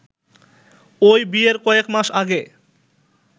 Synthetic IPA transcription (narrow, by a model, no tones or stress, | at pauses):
ojbieɾkɔekmaʃaɡe